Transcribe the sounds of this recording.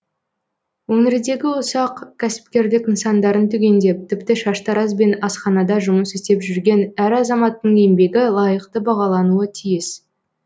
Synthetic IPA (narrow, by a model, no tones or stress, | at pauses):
wɵŋeɾd̪e̞ɡʲɪʊsɑqkʲʰæsɪ̥p̚kʲe̞ɾd̪ɪkənsɑnd̪ɑɾənt̪ʰʏɡʲe̞nd̪e̞p̚t̪ʰɪpt̪ɪʃɑʃt̪ɑɾɑzbe̞nɑsχɑnɑd̪ɑʒʊməsɪst̪e̞pʒʏɾɡʲe̞næɾɑzɑmɑt̪ːəɴejmbe̞ɡʲɪlˠɑjəqt̪əbɑʁɑlˠɑnuət̪ʰijɪs